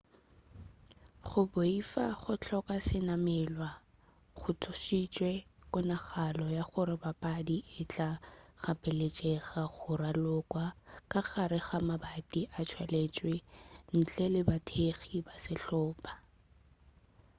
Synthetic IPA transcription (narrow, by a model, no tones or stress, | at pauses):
χʊboifaχʊt͡ɬʰɔkasɪnamɛːlwa | χʊtʰʊʃit͡ʃʼwɛkʼʊnaχalɔjaχʊɾɪbapʼadiʔɪt͡ɬʼaχapʼɪlet͡ʃʼɛɣaχʊralʊkʼwakʼaɣaɾɪɣamabatʼiʔat͡ʃʰwɛlet͡ʃʼwen̩t͡ɬʼɛlɪbatʰeχibasɪɬɔːpʼa